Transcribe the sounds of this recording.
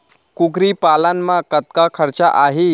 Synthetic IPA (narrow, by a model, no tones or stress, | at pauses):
kukɾiːpalanːakət̪̚kakʰəɾt͡ɕaʔaɦi